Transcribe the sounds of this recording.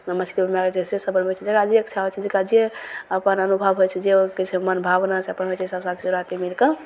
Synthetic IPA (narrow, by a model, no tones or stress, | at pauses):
mət͡ʃʰi̥d̪ibʱəmeat͡ʃʰesesəbəlmot͡ʃʰɛd͡ʒəɡad͡ʒieəkt͡ʃʰaɦojt͡ʃʰɛd͡ʒekad͡ʒijeəpənənubʱəbɦojt͡ʃʰɛd͡ʒeoket͡ʃʰemənbʱabnat͡ʃʰəpənɦojt͡ʃʰɛsəbsat̪ʰit͡ʃuɾat̪imilkə